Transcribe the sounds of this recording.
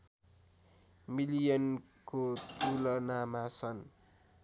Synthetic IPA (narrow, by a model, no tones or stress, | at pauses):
milijʌn | kot̪ulʌnamasʰʌn